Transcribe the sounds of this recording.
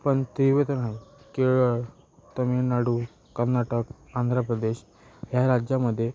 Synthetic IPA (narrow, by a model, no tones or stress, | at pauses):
pəɳt̪ɾiʋet̪ənɦai | keɭə | t̪əminaɽu | kəɾnaʈək | and̪ʱɾəpɾəd̪eɕ | ɦjaɾad͡ʑjaməd̪ʱːje